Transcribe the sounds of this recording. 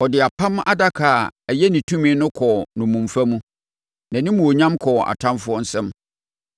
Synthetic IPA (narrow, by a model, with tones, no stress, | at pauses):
ɔ˨dɪ˨a˨pʰã˦m˦ʔa̰˦da˦kʰaː˨ɛ˨jɛ˦nĩ˨tʰũ˦mĩ˦nʊ̃˦kʰɔ˨nʊ̃˨mũ˨m˨fa˦mũ˦ | nã˨nɪ̃˦mũ˨o˨ɲã˦mkʰɔ˨a̰˨tʰã˦mfʊ˦ɔ˦n̩˦sɛ̃˦m